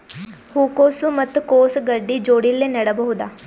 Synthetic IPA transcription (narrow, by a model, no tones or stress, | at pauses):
huːkoːsumət̪koːsɡəɾɖiːd͡ʒoːɽiːleːnəɽəbɦod̪aː